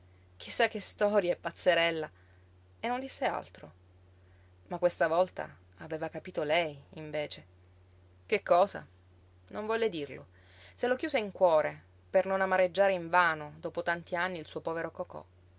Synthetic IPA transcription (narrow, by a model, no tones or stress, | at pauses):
k̟ʰisːak̟ːest̪ɔɾjaɛpːat̪sːeɾɛlːa | enːond̪isːea̰lt̪ɾo | makːwest̪avɔlt̪a̰ | aveːvakapiːt̪olɛjiɱveːt͡ʃe | kekːɔːza̰ | noɱvɔlːed̪irlo̰ | selok̟juːzeiŋkwɔːɾe | pernonamaɾed͡ʒːaːɾeiɱvaːnod̪oːpot̪ant̪ianːiilsuːopɔːveɾokɔkɔ̰